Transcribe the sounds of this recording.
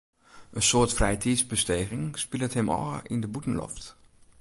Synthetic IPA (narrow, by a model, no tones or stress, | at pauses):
ʔənsʊːɹtfrɛjtʰisbəstejɣɪŋspilətɦɛmʔɑ̰lɪ̰ndəbutən̩lɔ̰ft